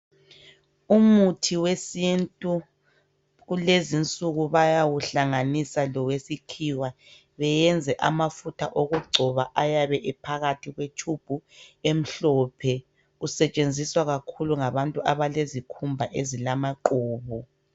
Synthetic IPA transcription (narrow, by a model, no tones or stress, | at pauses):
umutʰiwesintʼu | ɣulezint͡sʼuɣuβajawuɬaŋanisalɔwesikʰiwa | βɛjɛnd͡zʱɛʔamafutʰaʔoɣuɡ͡ǀʱɔβaʔajaβɛʔipʰaɣatʰiɣwet͡ʃʰub̥ʱuem̩ɬɔːpʰɛ | usɛt͡ʃʼend͡zʱiswaɣakʰuluŋaβantʼuaβalezikʰumbʱaʔezilamaǃuːβu